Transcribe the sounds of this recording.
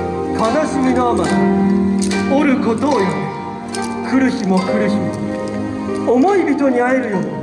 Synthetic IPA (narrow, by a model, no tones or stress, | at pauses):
kʰanaɕimʲinoːma | oɾɯ̟kot̪oːjo | kʰɯ̟ɾɯ̟çimokɯ̟ɾɯ̟çimo | omo̞ibʲit̪o̞ɲ̟iaeɾɯ̟jo